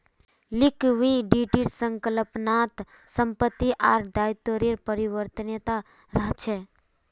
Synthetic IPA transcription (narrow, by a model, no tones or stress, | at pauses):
lɪkʋiɖiʈiʈsəŋkələpnat̪ | səmpət̪ːiʔaːɾd̪aːjt̪oɾiɾpəɾiʋəɾt̪ənət̪a | ɾat͡ʃʰe